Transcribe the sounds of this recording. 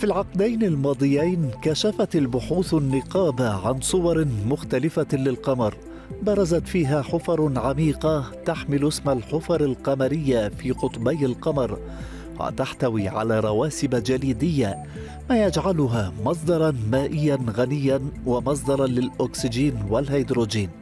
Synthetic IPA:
filʕɑqd̪ajnalmɑːd̪ˤɨjajnkaʃafat̪albʊħuːθanːɪqɑːbaʕansˤʊwɑɾˤmʊxt̪alɪfalɪlqɑmɑɾˤ | bɑɾˤɑzat̪fiːɦaːħʊfɑɾˤʕamiːqɑt̪aħmɪlʊsmalħʊfɑɾˤalqɑmaɾɪjːafiːqʊt̪ˤbajalqɑmɑɾˤ | wa̰t̪aħt̪awiːʕa̰laːɾˤɑwaːsɪbad͡ʒaliːd̪ɪjːa | maːjad͡ʒʕalʊɦaːmɑs̬ˤd̪ɑɾˤɑnmaːʔɪjːanɣanɪjːanwamɑs̬ˤd̪ɑɾˤɑlɪlʔoksɪd͡ʒiːnwalhajd̪ɾoːd͡ʒiːn

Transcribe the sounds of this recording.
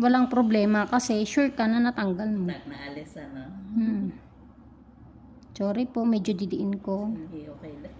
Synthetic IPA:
wɐlaŋpɾoblɛːmɐkɐsɛʃuɹkɐnɐnat̪ɐŋɡɐlmonɐalɪsanm̩ | soːɾɪpo̞mɛːd͡ʒod̪ɪd̪ɪʔɪnkookɛ

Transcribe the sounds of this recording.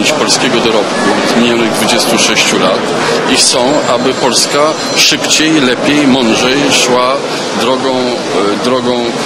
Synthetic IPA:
t͡ɕpɔlskʲɛɡɔd̪ɔɾɔpkud̪mʲiɲjɔnɘɣd̪vud͡ʑɛst̪uʂɛɕt͡ɕulat̪ | ixt̪sɔ̃w̃ʔabɘpɔlska | ʂɘpt͡ɕɛjlɛpʲjɛjmɔnʐɛjʂwa | d̪ɾɔɡɔ̃w̃ | d̪ɾɔɡɔ̃w̃

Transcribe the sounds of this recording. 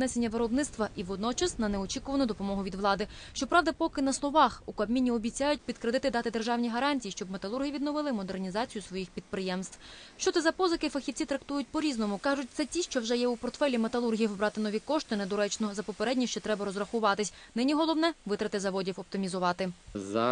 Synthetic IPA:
nɛsenʲːɐʋɪɾɔbnɪt̪st̪ʋɐʔiʋɔd̪nɔt͡ʃɐsnɐnɛɔt͡ʃʲikʊʋɐnʊd̪ɔpɔmɔɦʊʋʲid̪ʋlˠɑd̪ɪ | ʃt͡ʃɔpɾɑwd̪ɐpɔkɪnɐslˠɔʋɑxukɐbmʲinʲːiɔbʲit͡sʲajʊtʲpʲid̪kɾed̪ɪt̪ɪd̪ɑt̪ɪd̪erʒɑwnʲiɦɐɾɑnʲtʲijiʃt͡ʃɔbmet̪ɐlˠurɦʲiʋʲid̪nɔʋɪlˠɪmɔd̪ernʲizɑt͡sʲijʊsʋɔjixpʲid̪̚pɾɪjɛmst̪ʋw̥ʃt͡ʃɔt̪ɛzɐpɔzɐkɪfɐxʲiwt͡sʲit̪ɾɐkt̪ujʊt̚ʲpɔɾʲiznɔmʊkɑʒʊt̚ʲt̪sɛtʲiʃt͡ʃɔwʒɛjɛupɔrt̪fɛlʲimet̪ɐlˠurɦʲijiʋbɾɑt̪ɪnɔʋʲikɔʃt̪ɪnɛd̪ɔɾɛt͡ʃnɔzɐpɔpeɾɛdʲnʲiʃt͡ʃɔt̪ɾɛbɐɾɔzrɐxʊʋɑt̪ɪsʲnɪnʲiɦɔlˠɔwnɛʋɪt̪ɾɐt̪ɪzɐʋɔdʲiwɔp̚t̪ɪmʲizʊʋɑt̪ɪzɐ

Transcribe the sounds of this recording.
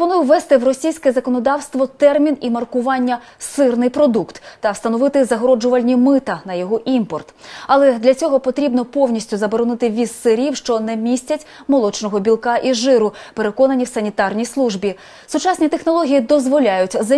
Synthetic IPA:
pɔnujʊʋːɛst̪ɪwrɔsʲijsʲkɛzɐkɔnɔd̪ɑwst̪ʋɔt̪ɛrmʲinimɐrkʊʋɑnʲːɐ | sɪrnɪjpɾɔd̪ukt̪ːɐst̪ɐnɔʋɪt̪ɪzɐɦɔɾɔd͡ʒʊʋɐlʲnʲimɪt̪ɐnɐjɔɦɔʔimpɔrt̪ɐlˠɛd̪lʲɐt͡sʲɔɦɔpɔt̪ɾʲibnɔpɔwnʲisʲtʲʊzɐbɔɾɔnɪt̪ɪʋʲizsɪɾʲiwʃt͡ʃɔnɛmʲisʲtʲɐtʲ | mɔlˠɔt͡ʃnɔɦɔbʲilˠkɑʔiʒɪɾʊpeɾekɔnɐnʲiwsɐnʲit̪ɑrnʲijslˠuʒbʲi | sʊt͡ʃɑsʲnʲit̪exnɔlˠɔɦʲijid̪ɔzʋɔlʲajʊtʲzɐ

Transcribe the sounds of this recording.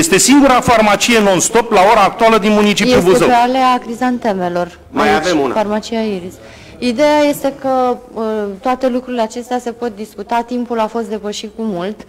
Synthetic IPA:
jest̪e̞siŋɡuɾafarmat͡ʃije̞no̞nst̪o̞plao̞ɾaːk̚t̪ualəd̪inmunit͡ʃipejubuzəeale̞akɾizant̪e̞me̞lo̞r | majaveunfarmat͡ʃijaiɾis | id̪e̞jaje̞st̪e̞kə | t̪oat̪e̞lukɾuɾile̞at͡ʃe̞st̪ease̞po̞t̪̚d̪iskut̪at̪impulafo̞st̪d̪e̞pəʃit̪̚kumult̪

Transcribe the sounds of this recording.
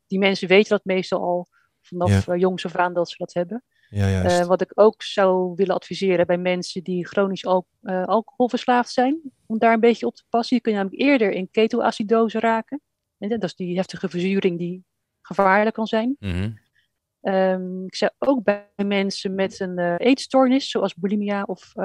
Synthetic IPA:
d̥imɛnsəʋejtəndɑt̚mejstɑ̰lˠɑ̰lˠ | v̥ɑnɑfjɔŋsɔfaːndɑtsədɑtɦɛbə | ʋɑtɪkowksɑwʋɪlənɑtfizɪːɾəbɛjmɛnsəndiχrownis | əɑlˠkohɔlˠvəɹslaːftsɛjn | ɔmdaːɹənbejcəɔp̚tə̥pɑsənjəknənaːmləkɪːɹdəɹɪnkejtəlʔa̰ːsidowzəraːkə | ɛdɔtzdiɦɛftəχəvəɹzyːɾɪŋdi | χəv̥aːɹləkːɑnzɛjn | əɪksɑwowk̚bɛjmɛnsəmɛtənejtstɔɹnɪsːowɑlˠzbulimiaʔɔf

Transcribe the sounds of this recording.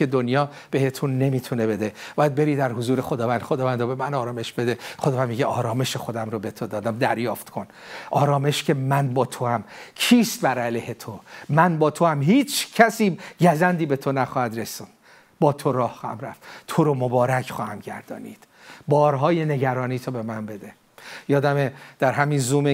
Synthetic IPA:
ed̪onjɒː | b̥e̞he̞t̪ʰunːe̞miːt̪ʰune̞be̞d̪eb̥ɒːjæd̪̚be̞ɾiːd̪æɾhozuːɾexod̪ɒːvænd̪χod̪ɒːvænd̪ɾobe̞mænɒːɾɒːme̞ʃbe̞d̪eχod̪ɒvænd̪miɟeʔɒːɾɒːme̞ʃexo̞d̪æmɾobe̞t̪ʰo̞d̪ɒːd̪æmd̪æɾjɒːft̪kʰo̞n | ʔɒːɾɒːme̞ʃcʰemænbɒːt̪ʰoæmcʰiːst̪̚bæɾælehet̪ʰomænbɒːt̪ʰoæmɦiːt͡ʃʰcʰæsiːɟæzænd̪iːbe̞t̪ʰo̞næxɒːhæd̪ɾesund̪̥ | bɒːt̪ʰoɾɒːhːmɾæ̰ft̪t̪ʰoɾomobɒːɾæcʰχɒːhæmɟæ̰ɾd̪ɒ̰ːnḭːd̪̥ | bɒːɾɦɒːjene̞ɟæɾɒːniːt̪ʰobe̞mænbe̞d̪e | jɒːd̪æmed̪̥æɾɦæmiːnzuːme

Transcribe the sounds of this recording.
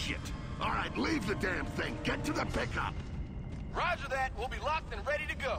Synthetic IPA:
ʃɪ̰t | ʔɔlˠɹaɪtˡlivðɨdæ̃mθɪ̃ŋɡɛtɨðəpʰɪkʌ̰p̚ | ɹɑd͡ʒə˞ðæt̚wɪlˠbilɔs̚tɨ̃nɹɛɾiɾɨɡoʊ

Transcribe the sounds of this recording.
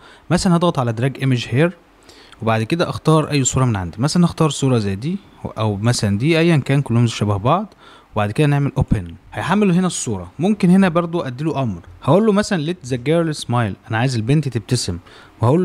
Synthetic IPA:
mæsælænhɑd̪ɣɑt̪ˤʕalæd̪ɑɾˤɑːɡʔemeʒheːɾ | webaʕd̪ked̪æʔɑxt̪ɑːɾˤʔæjːsˤuːɾˤɑmenʕand̪imæsælænʔɑxt̪ɑːɾˤsˤuːɾˤɑzæjːd̪iː | ʔæwmæsælænd̪iːʔæjːænkæːnkolːomzʃæbæhbɑʕd̪ˤ | webaʕd̪ked̪æneʕmelʔoːpenhæjħamːeloɦenæsˤːuːɾˤɑmomkenhenæbɑɾˤd̪ˤoʔæd̪ːiloʔɑmɾhæʔolːomæsælænlet̪zæɡːæɾlesmɑjlʔænæʕaːjezelbent̪t̪eb̚t̪æsemwehæʔoːlː

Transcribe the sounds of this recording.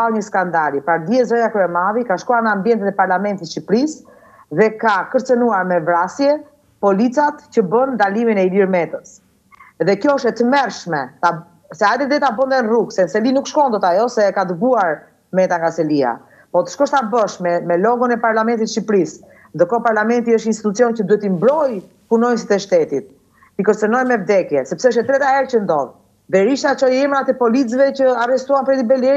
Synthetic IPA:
aɲəskand̪aɾipaɾd̪jɛzɔjakɾɛɛmaðikaʃkuaɾnaambjɛnt̪ɛt̪ɛpaɾlamɛnt̪it̪ʃipɾis | ðɛkakəɾt͡sənuaɾmɛvɾasjɛ | pɔlit͡sat̪cəbənd̪aliminɛiliɾmɛt̪əs | ðɛkjɔʃɛt̪əmɛɾʃmɛt̪a | sɛad̪ɛɾd̪ɛt̪abənd̪ɛnruksɛnsɛlinukʃkɔnd̪ɔt̪ajɔsɛkad̪əɡuaɾ | mɛt̪aŋɡasɛlia̰ | pɔt̪ə̥ʃkɔʃt̪abəʃmɛmɛlɔɡɔnɛpaɾlamɛnt̪it̪ʃipɾis | nd̪əkɔpaɾlamɛnt̪iəʃtinst̪it̪ut͡siɔncəd̪uɛt̪imbɾɔj | punɔjmsit̪ɛʃt̪ɛt̪it̪̚ | t̪ikəɾt͡sɛnɔjmɛvd̪ɛkjɛsɛpsɛəʃ̬ɛt̪ɾɛt̪aɛɾcənd̪ɔð | dɛɾiʃt̪at͡ʃɔjɛmɾat̪ɛpɔlit͡svɛcəarɛst̪uanpɾɛt̪ibɛlɛ

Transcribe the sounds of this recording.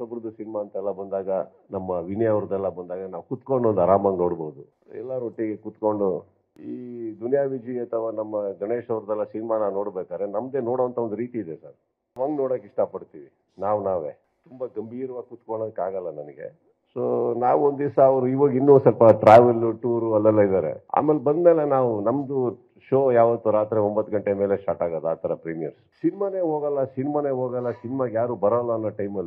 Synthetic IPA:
sɐbɾd̪usinimaɐnt̪ɐɛlːɐbɐnd̪aːɡɐ | nɐmːɐʋinɛjɐʋɾɐd̪ɛlːɐbɐnd̪aːɡɐnaːʋkut̪koɳɖund̪ɐɾaːmɐŋɡnoːɽboːd̪u | ɛ̰lːaɾoʈːiɡekut̪ko̞ɳɖu | iːd̪unjaːʋid͡ʒiɐt̪ʰɐʋanɐmːɐd͡ʒɐneːʂɐʋɾɐd̪ɛlːɐsinimanaːʋno̞ːɽbɛːkaːɾenɐmːɐd̪eːnoːɽoʋɐnt̪ʰɐʋo̞nd̪uɾiːt̪iːd̪esa̰ːɾ | ɐʋɐŋɡnoːɽokiʂʈapɐɽt̪iːʋi | naːʋnaːʋḛː | t̪umbɐɡɐmbʱiːɾɐʋaːɡkut̪koɳod̪ukːaːɡɐlːɐnɐnɐɡe̞̰ | soːnaːʋond̪isɐːʋɾuiʋɐːɡinːuːsɐlpɐʈɾaːʋɐluʈuːɾuɐlːɛlːaid̪aːɾḛa̰ːmelbɐnd̪mɛːlenaːʋunɐmd̪u | ʃoːjaːʋɐt̪ːuɾaːt̪ɾeombɐt̪ːuɡɐɳʈemeːlesʈaːʈaːɡɐd̪aːt̪ʰɐɾɐpɾiːmijɐɾssinimaneːɦoːɡɐlːɐsinimaːneːɦoːɡɐlːɐsinimaɡjaːɾuːbɐɾɐlːanːɐʈɐjmɐlːi

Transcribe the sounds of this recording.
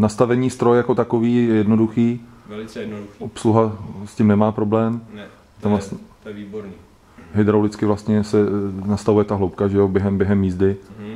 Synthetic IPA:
nast̪avɛɲiːst̪ɾo̞jjako̞t̪akoviːjɛjɛdno̞duxiː | ʔopsluɦascɪmnɛmaːpɾo̞blɛːm | t̪amvas | ɦɪd̪ɾawlɪt͡skɪvlast̪ɲɛsɛnast̪avujɛt̪aɦlowp̚kaʒɛjobjɛɦɛmbjɛɦɛmːiːzdɪ

